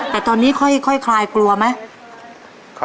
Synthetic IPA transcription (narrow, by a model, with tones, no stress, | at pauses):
t̪ɛː˨˩t̪ɔː˧nːiː˦˥kʰɔ˥˩jkʰɔ˥˩jkʰlaː˧jklu˧ɐma˦˥j